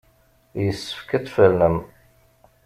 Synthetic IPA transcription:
jəsːə̥fkət͡sːfələm

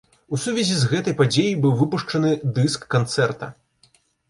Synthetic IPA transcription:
usuvʲɛzʲizɣɛt̪ɐjpad͡zʲejibɨwvɨpuʂt͡ʂɐnɨd̪ɨskːant̪sɛrt̪ɐ̰

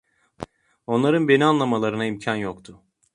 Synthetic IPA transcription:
o̞nlˠaɾɯnbe̞nianlˠamalˠaɾɯnaimcʰanjokt̪ʰʊ

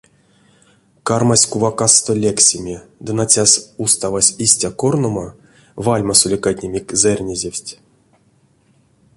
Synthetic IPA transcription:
karmasʲkuvakast̪olʲeksʲimʲid̪ɨnat͡sʲasʲust̪avasʲisʲtʲakornoma | valʲmasulʲikat̪ʲnʲemʲikʲzerʲnʲezʲewʲsʲtʲ

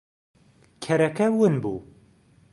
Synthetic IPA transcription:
kʰɛɾɛkɛwɨnbṵː

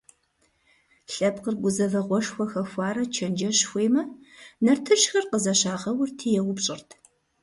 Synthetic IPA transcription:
ɬʼɐpqərɡʷʊzɐvɐʁʷɔʂxʷɔxɐxʷɑːɾɐt͡ʃʰɐnd͡ʒɐɕxʷeːmɐnɐrtʰɨʃxɐrqəzɐɕaːʁɐwʊrtʰiːjɛwʊpɕʼɪrtʰ

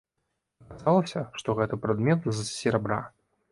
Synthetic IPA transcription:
ɐkazalˠɐsʲɐʂt̪ɔɣɛt̪ɨpɾad̪mʲɛt̪zɐsʲɪɾabɾa̰

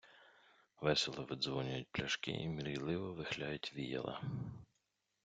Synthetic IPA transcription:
ʋɛsʲelˠɔʋɪd̪zʋɔnʲʊjʊt̚ʲplʲɐʃkɪ̰ʔimʲiɾɪjlˠɪʋɔʋɪxlʲajʊtʲʋʲijɛ̰lˠɐ̰

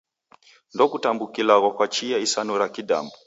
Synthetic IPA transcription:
ndɔkutambukilaɣɔkwat͡ʃijaisanuɾakida̰mbu

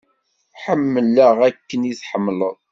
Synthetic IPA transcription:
ħəmːələʁækːəniθħəmːləðˤ

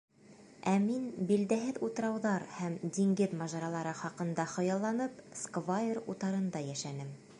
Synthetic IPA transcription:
æminbild̪æɦɘðut̪ɤ̆ɾɑwðɑɾhæmd̪iŋɡɘðmɑʒɑɾɑlˠɑɾɤχɑqɤ̆nd̪ɑχɤ̆jɑlˠːɑnɤpskvajerut̪ɑɾɤ̆nd̪ɑjæʃænɘm

